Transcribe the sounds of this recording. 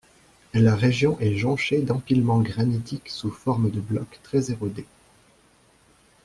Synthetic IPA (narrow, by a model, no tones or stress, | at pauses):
laʁeʒjɔ̃ʔɛʒɑ̃ʃed̪ɑ̃pilmɑ̃ɡʁanit̪iksufɔʁməd̪əblɔkt̪χɛzeʁod̪e